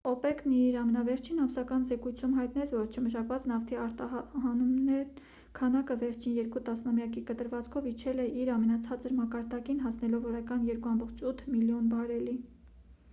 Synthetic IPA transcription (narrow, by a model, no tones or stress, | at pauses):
ɔpɛkniɾɑmɛnɑvɛɾt͡ʃʰinɑmsɑkɑnzɛkujt͡sʰumɦɑjt̪nɛt͡sʰvɔɾt͡ʃʰəməʃɑkvɑt͡snɑft̪ʰiɑɾt̪ɑɦɑnumnɛ | kʰɑnɑkəvɛɾt͡ʃʰinjɛɾkut̪ɑsnɑmjɑkikət̪əɾvɑt͡skʰɔvit͡ʃʰɛlɛʔiɾɑmɛnɑt͡sʰɑt͡səɾmɑkɑɾd̪ɑkinɦɑsnɛlɔvɔɾɑkɑnjɛɾkuɑmbɔχt͡ʃʰut̪ʰmiljɔnbɑɾɛli